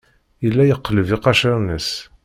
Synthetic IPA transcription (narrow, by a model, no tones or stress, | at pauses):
jəlːæjəqːləviqɑʃəɾnəs